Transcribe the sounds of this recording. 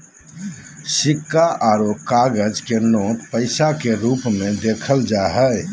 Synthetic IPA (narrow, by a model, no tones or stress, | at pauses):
sikːaʔaɾokaɡəd͡ʒkenot̪pəɪsakeɾuːpmẽd̪ekʰəld͡ʒaɦɛj